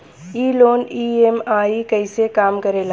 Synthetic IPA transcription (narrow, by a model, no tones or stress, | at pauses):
iːloːniemaːikəɪsekaːmkəɾeːla